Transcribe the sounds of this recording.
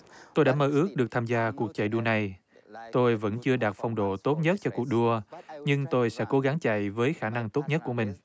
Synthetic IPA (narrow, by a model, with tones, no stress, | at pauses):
t̪o˧jɗaː˧˥məː˧ʔɨ˦˥ək̚ɗɨ˨˩ək̚t̪ʰaː˧mzaː˧ku˨˩ək̚t͡ɕa̰˧˨jɗu˧əna˨˩j | t̪o˧jvə̰˧˥nt͡ɕɨ˧əɗaː˨˩t̚fa˧wŋ͡mɗo̰˧˨t̪o˦˥t̚ɲə˦˥t̚t͡ɕɔ˧ku˨˩ək̚ɗu˧əɲɨ˧ŋt̪o˧jsɛ̰˧˥ko˨˦ɣa˨˦ŋt͡ɕa̰˧˨jvəː˨˦jxaː˧˩na˧ŋt̪o˦˥t̚ɲə˦˥t̚ku˧˩mï˨˩ŋ̟